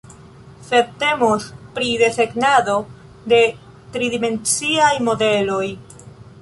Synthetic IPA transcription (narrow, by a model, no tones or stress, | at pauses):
se̞d̚te̞mospɾide̞seɡnado̞ | de̞ | tɾidime̞nt͡siajmo̞de̞lo̞j